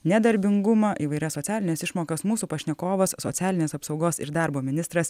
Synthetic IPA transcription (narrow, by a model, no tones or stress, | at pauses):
nʲɛd̪ɐɾʲbʲɪŋɡʊmɑʔiːʋɐɪɾʲɛsːoːt̪sʲæːlʲɪnʲɛsɪʃmoːkɐsmuːsuːpɐʃʲnʲɛkoːʋɐsːo̰ːt̪sʲæːlʲɪnʲeːsɐpsɒʊɡoːsɪ̰ɾd̪ɑːɾboːmʲɪnʲɪst̪ɾɐs